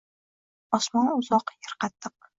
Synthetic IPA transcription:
ɒsmɒnʊzɒqjɑɾqɑt̪ːɨq̚

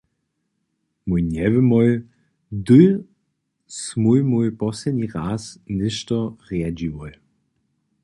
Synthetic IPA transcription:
mujnɛvəmɔj | d̪ɨj | smujmujpɔsɛdnʲiʁasnɪʃtɔʁad͡ʑiwɔj

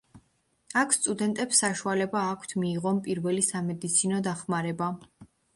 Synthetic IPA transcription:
akʰst̪ʼud̪ɛnt̪ʼɛpsːaʃualɛbaːkʷʰt̪ʰmiːʁɔnpʼiɾvɛlisamɛd̪it̪sʰinɔd̪aχmaɾɛba

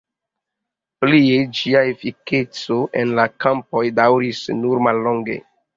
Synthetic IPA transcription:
plied͡ʒiaefike̞t͡soʔe̞nlakampo̞jdawɾisnuɾmalːoŋɡe̞̰

